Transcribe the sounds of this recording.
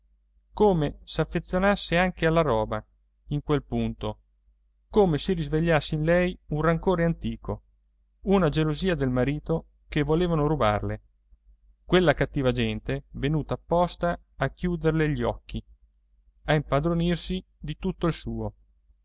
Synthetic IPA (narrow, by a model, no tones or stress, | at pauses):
koːmesafːet̪sːjonasːeaŋkealːaɾɔːba | iŋkwelpunt̪o | koːmesiɾizveʎːasːeinlɛjunraŋkoːɾeant̪iːkʰo | unad͡ʒeloziːad̪elmaɾiːt̪o | kevːoleːvanoɾuba̰rle | kwelːakat̪ːiːvad͡ʒɛnt̪evenuːt̪aːpːɔst̪aː | kːjuːd̪erleʎːiɔkːi | aimpad̪ɾonirsi | d̪it̪ut̪ːoilsuːo